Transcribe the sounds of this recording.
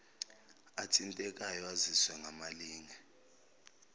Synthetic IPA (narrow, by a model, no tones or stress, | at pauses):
atʰʼintʼɛk̬ʼajɔaziswɛŋʱamaliːŋa